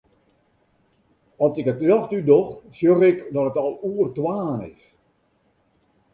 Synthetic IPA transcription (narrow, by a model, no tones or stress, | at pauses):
ɔsɪkətjɔxtydɔxsjøɣɪkdɔtətɔlˠuərtwaːnɪ̰s